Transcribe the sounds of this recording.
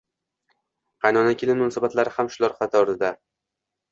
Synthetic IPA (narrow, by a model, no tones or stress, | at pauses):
qʰɑjnɒnakʲelɪnmʊnɒsabat̪laɾɪhamʃʊlaɾqʰɑt̪ʰɒɾɪd̪a